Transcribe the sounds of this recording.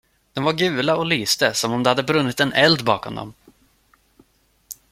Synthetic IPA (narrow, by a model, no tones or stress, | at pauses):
d̪̥ɔmvaɾɡʉ̟ːlaɔlyːst̪əsɔmɔmd̪ɛhad̪ːəbɾɵnːɪt̪ɛnɛld̪bɑːkɔmd̪ɔ̰m